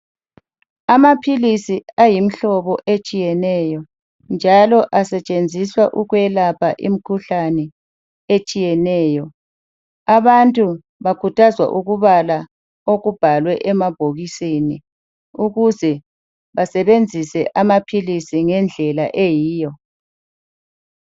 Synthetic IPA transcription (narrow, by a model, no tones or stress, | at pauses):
amapʰilisiajim̩ɬɔβɔʔet͡ʃʼijɛnɛjɔ | nd͡ʒʱalɔʔasɛt͡ʃʼend͡zʱiswaʔuɣwɛlapʰaʔḭm̩kʰuɬanɛ | et͡ʃʼijɛnɛːjɔ | aβantʼu | βakʰutʰazwa̰ʔuɣuβala | oɣub̥ʱalwɛʔɛmab̥ʱoɣisini | uɣuzɛ | βasɛβend͡zʱisɛʔamapʰilisiŋɛnd͡ɮʱɛlaʔejiːjɔ